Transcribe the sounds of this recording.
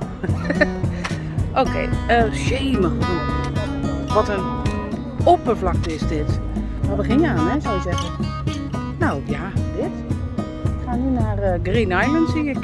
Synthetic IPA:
ʔoːkʰḛjəʃeːməχəru | ʋɔtən | opəflak̚tɪzdɪt | ɔbəχɪnjəaːnɛsɛjzɛɣə | nowjadɪt | ɪkχaːnynarəɡrinajləntsiə

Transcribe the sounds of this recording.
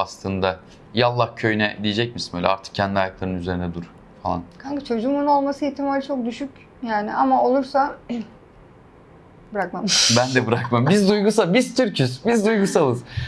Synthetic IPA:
aslˠɯnd̪a | jalˠːahcʰø̞jnɛd̪ijed͡ʒɛc̚misimø̰jlʲɛ̰aɾt̪ʰɯ̥k̚cʰɛnd̪iajaklˠaɾɯnyze̞ɾind̪ɛd̪uɾ | falˠa̰nkʰaɲkit͡ʃʰo̞d͡ʒuːmunuo̞lˠmasɯɛt̪ʰimalʲt͡ʃʰo̞k̚d̪yʃyc | jaːnɪʔamao̞lˠuɾsa | bɯɾakmambænd̪ɛbɯɾakmambizd̪ujɡusabiz̥t̪ʰyɾcʰyzbizd̪ujɡusalˠɯz̥

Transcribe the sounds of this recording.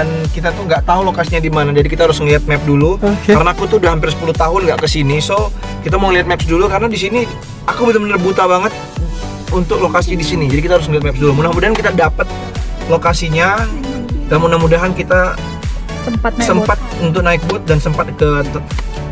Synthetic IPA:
ankit̪at̪uŋɡaʔt̪aɦulokasiɲadimanad͡ʒadikit̪aɾʊsŋəliat̪̚mɛp̚dulukaɾənaːkut̪uudahampɪrsə̥puluht̪aɦʊnɡa̰ʔkəsiniso | kit̪̬amoŋəliɦat̪̚mɛpsdulukaɾənadis̬ini | akubələmənərbut̪abaŋət̪̚ | unt̪ʊk̚lokasidisinid͡ʒadikit̪ahaɾʊs̬məliat̪̚mɛp̚sdulumunahmudaɦankit̪adapət̪̚ | lokasiɲa | d̥almunahmudaɦankit̪a | səasəmpat̪̚unt̪̬ʊk̚naɪk̚bʊt̪̚dansəmpat̪̚kət̪əp

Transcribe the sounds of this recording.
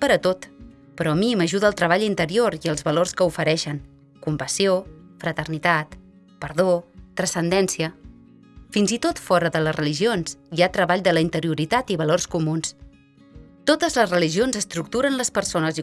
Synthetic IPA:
pəɾət̪ot̪ | pəɾɔəmiməʒuðəːlˠt̪ɾəβ̞aʎint̪əɾioɾiəlˠzβəlorskəufəɾɛʃəŋ | kumpəsiofɾət̪ərnit̪at̪ | pəɾðot̪ɾəsənd̪ɛnsiə | finzit̪ot̪fɔɾəðələzrəliʒionszjiat̪ɾəβaʎd̪ələint̪əɾiuɾit̪at̪iβəlorskumuns | t̪ot̪əzləzrəliʒionzəst̪ɾuk̚t̪uɾənləspəɾsonəzi

